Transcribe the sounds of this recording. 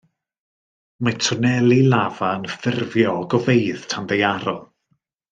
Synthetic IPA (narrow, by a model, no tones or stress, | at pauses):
matʰʊnɛlˠilavaənfɪrvjɔɡɔvejðtʰandejaɾɔlˠ